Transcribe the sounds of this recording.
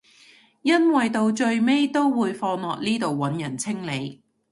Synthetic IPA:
jɐ˥nwɐ˨jt̪o˨˧wt͡ʃɵ˧ɥme˥jt̪o˥wwuː˨˧jfɔː˧ŋlɔː˨k̚niː˥t̪o˨wːɐ˨˥njɐ˨˩nt͡sʰɪ˥ŋle˨˧j

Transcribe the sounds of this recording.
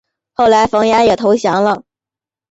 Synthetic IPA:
xo˥˩ʊla˧˥ɪfɑ˧˥ŋja˥jɛ˨˩t̪ʰo˧˥ʊɕjɑ˧˥ŋlə˥˧

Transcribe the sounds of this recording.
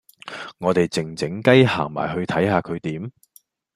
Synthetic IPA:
ŋɔː˨˧t̪e˨jt͡sɪ˨˩ŋt͡sɪ˨˥ŋkɐ˥jha̰ː˨˩ŋma̰ː˨˩jɦɵ˧ɥt̪ʰɐ˨˥jhaː˧kʰɵ˨˧ɥt̪iː˨˥m

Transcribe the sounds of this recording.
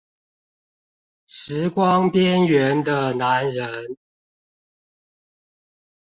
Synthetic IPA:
ʂɻ̩˨˦kwɑ˦ŋpjɛ˦˥nɥɛ˨˦nd̪ə˧na˨˦nɻə˦n

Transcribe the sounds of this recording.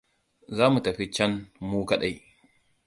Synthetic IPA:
zaː˦mu˨tɐ˨ɸi˦t͡ʃɐ˦nmuː˦kɐ˨ɗa˦j

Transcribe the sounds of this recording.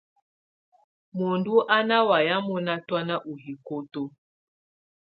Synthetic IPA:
mo˨ndu˦ʔa˦na˦wa˨ja˦mɔ˦na˦twa˦na˦ʔu˨ɦi˨ko˦to˦

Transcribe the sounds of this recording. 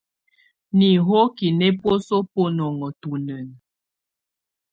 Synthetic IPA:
ni˨ɦo˦ki˨ne˦pwo˦so˦po˦nɔ˨ŋɔ˨tu˨nə˨n˨

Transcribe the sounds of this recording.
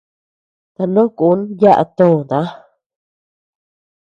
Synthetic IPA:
t̪a˧lõ˦ku˨˦nja˦ʔa̰˧t̪õ˦˨nd̪ã˨˦

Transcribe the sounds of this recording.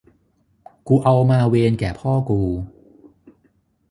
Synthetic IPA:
kuː˧ʔa˧wmaː˧weː˧nkɛː˨˩pʰɔː˥˩kuː˧

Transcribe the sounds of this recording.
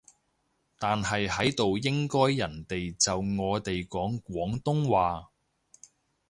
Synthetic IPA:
t̪aː˨nɦɐ˨jhɐ˨˥jt̪o˨wjɪ˥ŋkɔː˥jːɐ˨˩nt̪e˨jt͡sɐ˨wŋɔː˨˧t̪e˨jkɔː˨˥ŋkʷwɔː˨˥ŋt̪ʊ˥ŋwaː˨

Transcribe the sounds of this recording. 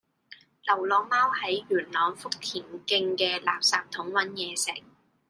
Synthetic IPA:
lɐ˨˩wlɔː˨˧maː˥whɐ˨˥jɥyː˨˩nlɔː˨˥ŋfʊ˥k̚t̪ʰiː˨˩nkɪ˧ŋkɛː˧laː˨p̚saː˨˧p̚t̪ʰʊ˨˥ŋwɐ˨˥njɛː˨˧sɪ̰˨˩k̚

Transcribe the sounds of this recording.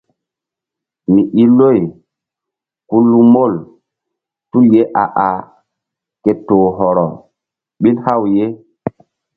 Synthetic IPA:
mi˨ʔi˦lo˦˨j | ku˦lːu˦mo˦˨l | tu˦lje˦ʔa˨ʔa˨ | ke˨toː˨ɦɔ˨ɾɔ˨ | ɓi˦nha˦˨wje˦

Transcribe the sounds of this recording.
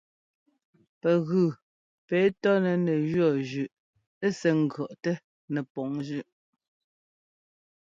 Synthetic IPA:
pɛ˨ɣʉ˨ | pɛː˨˦tɔ˦nɛ˨nɛ˨ʒɰɔ˦˨d͡ʒʉ˨ʔ | e˦sɛ˨ŋ̩˨ɡɰɔ˨ʔtɛ˦ | nɛ˨pɔ˨ŋd͡ʒʉ˦ʔ

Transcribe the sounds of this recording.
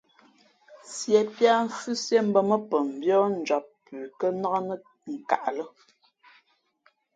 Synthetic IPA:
sjɛ˨pja˦ɱ̩˦fʉ˦sjɛ˦m̩˦bə˦mə˦pə˨m̩˨bjɔ˦n̩˨d͡ʒɔ˨pː | ʉː˨kə˦na˦nə˦ | ŋ̩˨ka̰˨ʔlə˦

